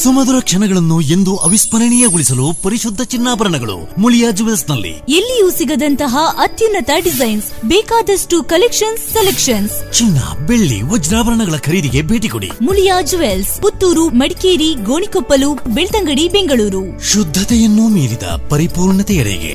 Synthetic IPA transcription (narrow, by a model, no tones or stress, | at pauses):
sumɐd̪uɾɐkʂɐnɐɡɐɭɐnːuend̪uʔɐʋispɐɾɐɳijɐɡuɭisɐlupɐɾiʃud̪ʱːɐt͡ʃinːaːbɐɾɐɳɐɡɐɭṵmuljaːd͡ʒuʋelsnɐlːḭelːijusiɡɐd̪ɐnt̪ɐɦɐʔɐt̪junːɐt̪ɐɖizɐjnsbɛːkaːd̪ɐsʈukɐlekʂɐnsːelekʂɐnst͡ʃinːɐ̰beɭːḭʋɔd͡ʒɾaːbɐɾɐɳɐɡɐɭɐkʰɐɾiːd̪iɡe̞bʱeːʈiko̰ɽḭmuljaːd͡ʒuʋelsput̪ːuːɾumɐɽikeːɾiɡoːɳikopːɐluːpbeɭt̪ɐŋɡɐɽibeŋɡɐɭuːɾu | ʃud̪ʱːɐt̪ɛjɐnːumiːɾid̪ɐ̰pɐɾipuːɾɳɐt̪ɛjɐ̰ɭɛ̰ɡḛ